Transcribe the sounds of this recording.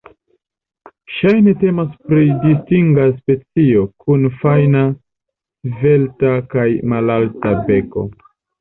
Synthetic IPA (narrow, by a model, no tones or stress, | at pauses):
ʃajne̞te̞maspɾidistiŋɡas̬pe̞t͡sio̞kʰunfajna | ve̞ltakajmalaltabe̞ko̞̰